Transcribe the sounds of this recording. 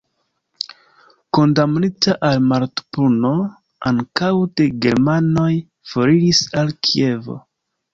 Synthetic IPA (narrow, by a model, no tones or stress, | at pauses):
ko̞ndamnitaʔalmaɾtpuno̞ | a̰ŋkawde̞ɡe̞ɾmano̞j | fo̞ɾiɾisalkʰie̞vo̞̰